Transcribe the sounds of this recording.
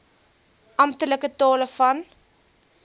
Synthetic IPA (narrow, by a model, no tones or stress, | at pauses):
ʔɐmtələkətɑːləfɐn